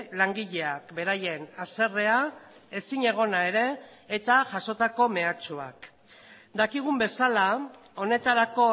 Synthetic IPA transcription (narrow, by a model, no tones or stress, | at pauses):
laŋɡiʎe̞ak̚be̞ɾaje̞nase̞re̞ae̞siɲe̞ɣ̞o̞nae̞ɾe̞ː | t̪aʝaso̞t̪ako̞me̞at͡ʃua̰k | d̪akiɣ̞umbe̞sala | o̞ne̞t̪aɾako̞